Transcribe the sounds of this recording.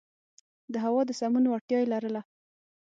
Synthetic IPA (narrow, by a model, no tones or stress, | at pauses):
d̪əɦawɑd̪əsamunoaʈjɑjelaɾəla